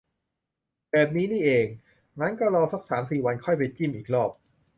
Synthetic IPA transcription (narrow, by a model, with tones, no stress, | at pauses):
bɛː˨˩p̪̚niː˦˥niː˥˩ʔeː˧ŋ | ŋa˦˥nka˥˩ɾɔː˧sa˦˥k̚saː˩˦msiː˨˩wa˧nkʰɔ˥˩jpa˧jt͡ɕi˥˩mʔiː˨˩k̚ɾɔː˥˩p̚